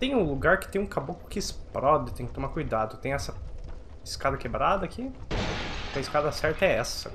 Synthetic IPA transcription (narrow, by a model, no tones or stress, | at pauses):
t̪ẽj̃ʊ̃luɡaɾkɪt̪ẽj̃ũkabokʊ̥kɪɪspɾɔd̪ɪt̪ẽj̃kɪ̥t̪omakujd̪ad̪ʊt̪ẽj̃ɛsɐ | ɪskad̪ɐkebɾad̪ɐːki | kɐɪskad̪ɐsɛɾt̪ɐɛɛsɐ̥sa̰